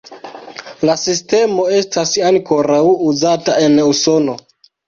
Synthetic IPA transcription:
lasiste̞mo̞e̞stasaŋko̞ɾawuzatae̞nuso̞no̞

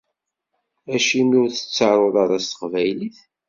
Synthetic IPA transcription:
æʃimiʊɾθə̥t͡sːəɾˤəðˤɑɾˤɑst̪ə̥qvæjliθ

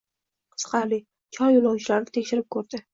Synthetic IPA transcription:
qʰɨ̥sqʰɑlɪ | t͡ʃʰɒɾjolˠawt͡ʃʰɪlaɾnɪt̪ʰekʲʃɪɾɪp̚kʰɵɾd̪ɪ

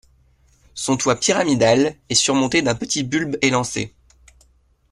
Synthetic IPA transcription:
sɔ̃t̪wapiʁamid̪alɛsyʁmɔ̃t̪ed̪ɛ̃pət̪ʰibylbelɑ̃sḛ

